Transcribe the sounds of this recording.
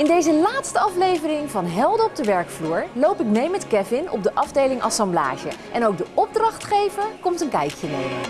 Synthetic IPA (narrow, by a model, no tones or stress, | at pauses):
ɪndejzəlaːtstəɑflejvərɪŋvɑnɦɛlˠdəɔb̚dəʋɛɹkfluːɹlowpɪk̚mejmɛtkɛvɪnɔ̰b̚dəʔɑvdejlɪŋʔɑsɑmbla̰ːʒə̰ʔɛnowɡ̚dəʔɔb̚drɑχtχejvəɹkɔmtənkɛjkjənḛj